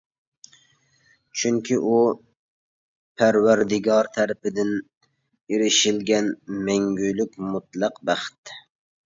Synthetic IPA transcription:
t͡ʃʰyŋkʲʰiʔu | pʰæɾwæɾd̪ɪɡɑɾt̪ʰæɾɪpɪd̪ɪn | eɾɪʃɪlɡʲɛnmɛŋɡʲylykʲmut̪̚lˠɑqbæχt̪

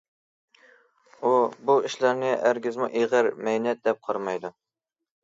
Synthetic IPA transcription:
ubuiʃlæɾnɪʔæɾɡʲizmuʔeʁəɾmɛjnɛt̪̚d̪ɛp̚qʰɑɾmɑjd̪u

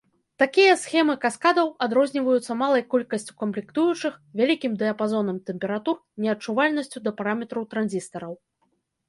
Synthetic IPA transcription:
t̪akʲijɐsxʲɛmɨkaskad̪ɐwad̪ɾɔzʲnʲivɐjut̪sːɐmalˠɐjkɔlʲkɐsʲt͡sʲu̥kɐmplʲikt̪ujut͡ʂɨxvʲalʲikʲimd̪ɛɐpazɔnɐmt̪ɛmʲpʲɛɾat̪urnʲɛɐt͡ʂuvalʲnɐsʲt͡sʲud̪ɐpaɾamʲɛt̪ɾɐwt̪ɾanʲzʲist̪ɐɾɐw

